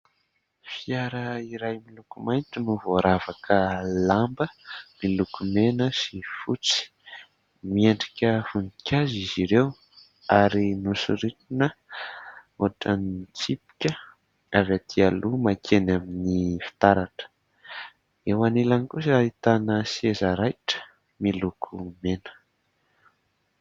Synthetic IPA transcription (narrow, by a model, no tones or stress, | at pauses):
fiaɾəiɾajmilukumajnʈ͡ʂinuvoaɾavakʰəlambəmilukumenəsifut͡si̥ | mieɳɖ͡ʐikʲəfunikʲaziziɾew | aɾinusuɾikinə | oʈ͡ʂanit͡sipi̥kʲə | avat̪ʰialumakʰenaminifi̥t̪aɾaʈ͡ʂə̥ | ewanilanikus̬ait̪anəsiezaɾajʈ͡ʂə̥ | milukʰumenə̥